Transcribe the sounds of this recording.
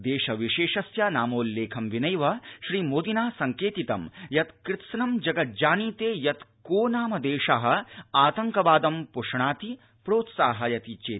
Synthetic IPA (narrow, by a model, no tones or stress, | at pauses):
d̪eːʃɐʋiʃeːʃɐsjanaːmoːlːeːkʰɐmʋinɐjʋɐʃɾiːmoːd̪inaːsɐŋkeːt̪it̪ɐmjɐt̪kɾɪt̪ʃɐnɐmd͡ʒɐɡɐt̪̚d͡ʒaːniːt̪eːjɐt̪koːnaːmɐd̪eːʂaːɦɐ̆aːt̪ɐŋkɐbaːd̪ɐmpuʂɳaːt̪i | pɾoːt̪saːɦɐjɐt̪iːt͡ʃeː